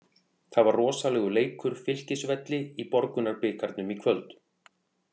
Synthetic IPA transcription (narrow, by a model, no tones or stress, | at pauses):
θaðvarrɔːsalɛːɣʏleːjkʏɾ̥fɪl̥cɪsvɛt̪lɪipɔɾkʏnaɾpɪːkʰaɾt̪nʏmikʰvœlt̪